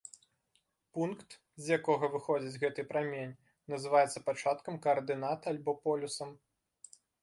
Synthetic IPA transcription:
punkt̪ | zʲjakɔɣɐvɨxɔd͡zʲid͡zʲɣɛt̪ɨpɾamʲenʲ | nɐzɨvajɛt̪sːɐpat͡ʂat̪kɐmkɐːrd̪ɨnat̪alʲbɔpɔlʲusɐm

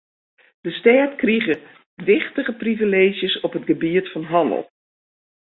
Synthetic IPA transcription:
d̥əstɛːtkriɣə | ʋɪχtəɣəprivileːʒjəsɔpɦətɡəbiətfɔnɦɑnə̰lˠ

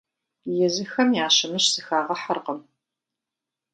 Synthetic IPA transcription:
jɛzɨxɐmjaːɕɪmɨɕsɨxaːʁɐħɐrqəm

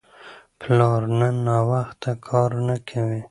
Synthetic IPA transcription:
plɑɾnənːɑwaxt̪akʰɑɾnakʰawi

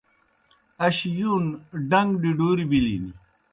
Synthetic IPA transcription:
ɐɕjuːnɖɐŋɡɖiɖuːɾibilḭni

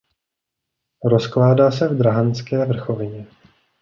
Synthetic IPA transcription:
ɾo̞sklaːdaːsɛvd̪ɾaɦant͡skɛːvr̩xovɪɲɛ

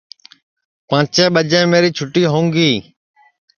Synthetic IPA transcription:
pãːt͡ʃẽːɓəd͡ʒẽːmeːɾiːt͡ʃʰʊʈiːɦõːŋɡiː

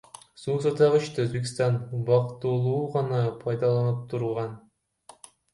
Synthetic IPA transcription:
suːs̬ɑt̪ʰɑʁɯt͡ʃt̪øzbek̬ʲst̪ɑnbɑqt̪ulˠuːʁɑnɑpʰɑjd̪ɑlˠɑnɯp̚t̪ʰuɾʁɑn

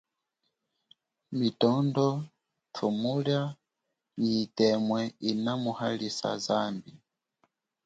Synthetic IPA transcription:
mitɔndɔ | tʰumulja | ɲiːtɛmwɛinamuhalisa̰zambi

